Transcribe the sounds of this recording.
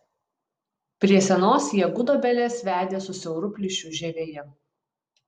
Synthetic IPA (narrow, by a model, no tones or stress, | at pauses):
pʲɾʲiɛsʲɛnoːsjɛɡʊd̪oːbʲɛlʲeːsʋʲæːd̪ʲeːsʊsʲɛʊɾʊpʲlʲɪʃʲʊʒʲɛʋʲeːjɛ